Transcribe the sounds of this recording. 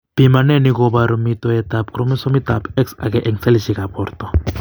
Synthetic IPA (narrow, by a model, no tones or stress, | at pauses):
b̥imanɛnikɔbaɾɔmit̪ɔɛt̪ap̚kɾɔmisɔmit̪apɛksa̰kɛʔɛŋsɛliʃikapɔrt̪ɔ